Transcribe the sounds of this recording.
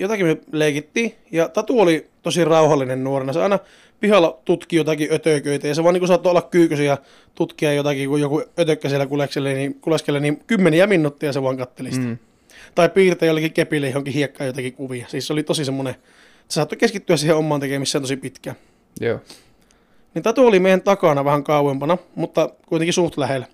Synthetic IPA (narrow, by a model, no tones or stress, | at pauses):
jot̪ɑkimøleˑikit̪ːiː | jɑt̪ɑt̪uolit̪osirɑuhɑlːinennuorenɑseɑ̰ˑinɑ | pihɑlːɑt̪ut̪kijot̪ɑkiøt̪øːkøˑit̪æjɑseʋɑniːŋkusɑt̪ːoolːɑkkyːkøsiæ | t̪ut̪kiɑjot̪ɑkikujjokuøt̪økːæsielːækulekselːenikuleskelːenimkymːeniæminːut̪ːijɑseʋɑŋkɑt̪ːelis | t̪ɑˑippiːrt̪ɑjoˑlːekːikepilːæjohoŋkihiekːɑːjot̪ɑkikuʋiɑsiːsseolit̪osisemːone | sesɑt̪ːukeskit̪ːyæssiːheomːɑːnt̪ekemisːeːnt̪osipit̪kæ | nint̪æt̪uolimeˑijˑænt̪ɑkɑnɑʋæhæŋkɑˑuwempɑnɑmut̪ːɑkuit̪eŋkisuht̪læhel